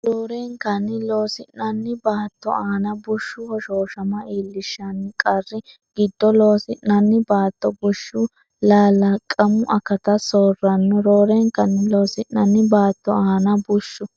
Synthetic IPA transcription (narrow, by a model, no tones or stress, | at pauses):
ɾoːɾɛŋkɐnːɪlo̞ːsɪnɐnːɪbaːt̪ːɔ̰aːnɐbʊʃːʊhɔʃoːʃɐmɐiːlːɪʃːɐnːɪkʼɐrːɪ | ɡ̥ɪd̪ːɔlo̞ːsɪʔːɐnːɪbaːt̪ːɔbʊʃːʊ | laːlɐkʼɐmʊʔɐkɐt̪ɐsoːrːɐnːɔɾoːɾɛŋkɐnːɪlo̞ːsɪʔːɐnːɪbaːt̪ːɔaːnɐbʊʃːʊ